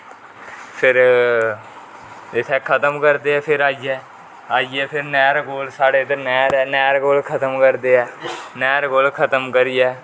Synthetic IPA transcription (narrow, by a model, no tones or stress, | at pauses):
pʰɪɾ | ɪt̪ʰɛːkʰət̪əmkəɾd̪eːɛːpʰɪɾaːiɛː | aːiɛːpʰɪɾnɛːɾkoːlsaːɽeːt̪eːnɛːɾɛːnɛːɾkoːlkʰət̪əmkəɾd̪eːɛːnɛːɾkoːlkʰət̪əmkəɾijɛː